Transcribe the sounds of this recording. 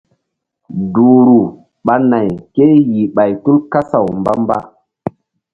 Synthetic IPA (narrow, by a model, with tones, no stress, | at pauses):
du˨ɾu˨ | ɓa˨na˨jke˦ji˨ɓa˨jtu˦lka˦sa˨wmba̰˦mba̰˦